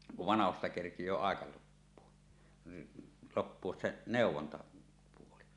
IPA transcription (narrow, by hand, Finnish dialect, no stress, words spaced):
kuʋ ʋɑnɑhostɑ kerkijˑøː ɑˑekɑ lopːuo lopːuos se neˑuwˑontɑpuoli